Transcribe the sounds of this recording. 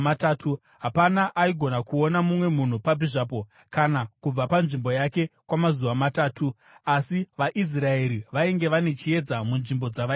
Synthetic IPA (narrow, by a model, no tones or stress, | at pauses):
ataːtʰu | ɦapanaʔaiɡʱo̞nakuo̞namumwe̞mun̤upabiʐaːp̬o̞ | kanakub͡vapanʐimbo̞jake̞kwamazuʋamataːtu | asiʋaʔis̬raeɾiʋaiŋɡe̞ʋane̞t͡ʃie̞d͡zamunʐimbo̞d͡zaʋa